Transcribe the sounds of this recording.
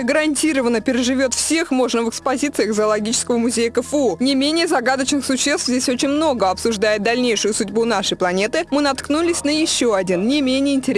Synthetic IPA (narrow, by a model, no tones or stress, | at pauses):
əɡəɾɐnʲtʲiɾəvənːəpʲɪɾʲɪʐɨvʲo̞t̪fsʲe̞xmo̞ʐnəvɨkspɐzʲit̪sɨjəxzəːlˠɐɡʲit͡ɕɪskəvəmʊzʲejəkəfəonʲɪmʲenʲɪjəzɐɡad̪ət͡ɕnɨxsʊɕːest̪vzʲdʲesʲo̞t͡ɕɪnʲmno̞ɡəɐpsʊʐd̪ajɪt̪̚d̪ɐlʲnʲejʂɨjʊsʊdʲbunaʂəjplˠɐnʲe̞t̪ɨmɨnɐt̪knulʲɪsʲnəjɪɕːo̞ɐdʲinnʲɪmʲenʲɪjəɪnʲtʲɪɾʲ